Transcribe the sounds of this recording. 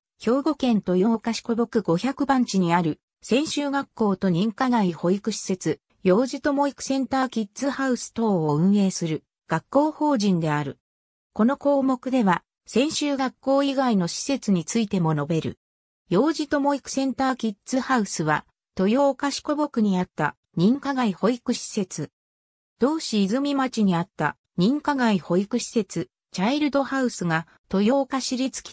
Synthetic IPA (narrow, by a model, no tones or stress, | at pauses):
ço̞ːɡo̞kẽ̞nt̪o̞jo̞kaɕi̥ko̞bo̞kɯ̟ɡo̞çakɯ̟bãɲ̟t͡ɕiɲ̟iaɾɯ̟ | sẽ̞ɰ̃ɕɨːɡakːo̞ːt̪o̞ɲ̟ĩŋkaɡaiho̞ikɯ̟ɕi̥se̞t͡sɨ | jo̞ːʑit̪o̞mo̞ikɯ̟̥sẽ̞nt̪aːkʲit͡sɨhaɯ̟sɨ̥t̪o̞ːoɯ̟̃ɰ̃e̞ːsɨɾɯ̟ | ɡ̥akːo̞ːho̞ːʑĩnd̪e̞aɾɯ̟ | ko̞no̞ko̞ːmo̞kɯ̟d̪e̞βa | sẽ̞ɰ̃ɕɨːɡakːo̞ːiɡaino̞ɕi̥se̞t͡sɨɲ̟it͡sɨit̪e̞mo̞no̞be̞ɾɯ̰ | jo̞ːʑit̪o̞mo̞ikɯ̟̥sẽ̞nt̪aːkʲit͡sɨhaɯ̟sɨβa̰ | t̪o̞jo̞ːkaɕi̥ko̞bo̞kɯ̟ɲ̟iat̪ːa̰ | ɲ̟ĩŋkaɡaiho̞ikɯ̟ɕi̥se̞t͡sɨ | d̪̥o̞ːɕiːzɨmʲimat͡ɕiɲ̟iat̪ːa | ɲ̟ĩŋkaɡaiho̞ikɯ̟ɕi̥se̞t͡sɨ | t͡ɕaiɾɯ̟d̪o̞haɯ̟sɨɡa | t̪o̞jo̞ːkaɕiɾʲit͡sɨ̥kʲi̥